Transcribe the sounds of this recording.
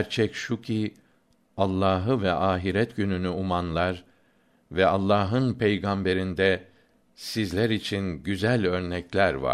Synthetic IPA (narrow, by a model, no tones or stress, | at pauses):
æɾt͡ʃʰɛcʃucʰi | alˠːaːɦɯvɛʔaːɦiɾɛt̪ɟynynyumanlˠaɾ | vɛalˠːaːɦɯnpʰejɡambe̞ɾind̪ɛ | sizlʲæɾit͡ʃʰinɟyzælʲø̞ɾnɛclʲæɾva̰